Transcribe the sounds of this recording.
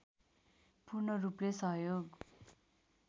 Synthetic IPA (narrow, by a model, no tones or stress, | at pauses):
purnʌruplesʌɦjoɡ